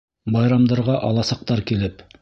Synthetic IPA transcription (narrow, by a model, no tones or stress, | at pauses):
bɑjɾɑmd̪ɤ̆ɾʁɑʔɑlˠɑsɑq̚t̪ɑɾkilɘp